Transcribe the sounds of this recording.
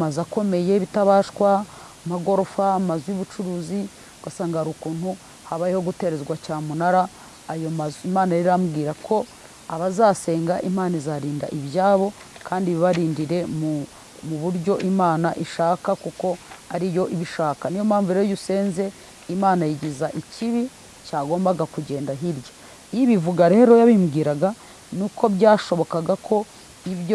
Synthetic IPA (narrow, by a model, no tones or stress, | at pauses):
mazako̞me̞je̞βitaβaːʃkwa | maɡo̞ɾo̞famazwiβut͡ʃuɾuːzi | ɡ̥asaːŋɡaɾukuːn̥hu | haβajiho̞ɡute̞ɾe̞zɡwacaːmunaɾaː | jomazimaːnaɾiɾamuɡiːɾakʰo̞ | aβazaːse̞ːŋɡaʔimaːnizaːɾiːnda̰ʔiβjaːβo̞ | kaːndiβiβaɾiːndiɾe̞mu | muβuɾɟo̞ʔimaːnaʔiʃaːkakuko̞aɾijo̞ʔiβiʃaːkanijo̞maːɱvuɾejojuse̞ːnze̞ | imaːnajiɟizaʔiciβi | caːɡo̞ːmbaɡakuɟe̞ːndaɦiɾɟo | iβivuɡaɾe̞ːɾo̞jaβimɡiːɾaɡa | nuko̞bɟaːʃo̞βo̞kaɡakʰo̞ | iβjo